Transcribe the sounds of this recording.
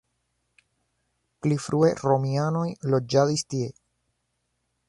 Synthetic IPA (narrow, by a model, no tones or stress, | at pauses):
plifɾʔue̞ɾo̞miano̞jlo̞d͡ʒadistie̞